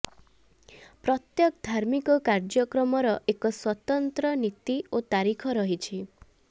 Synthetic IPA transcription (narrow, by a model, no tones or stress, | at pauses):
pɾɔt̪jɔkd̪ʱaɾmikɔkaɾd͡ʒɔkɾɔmɔɾɔʔekɔswɔt̪ɔnt̪ɾɔnit̪iot̪aɾikʰɔɾɔɦit͡ʃʰi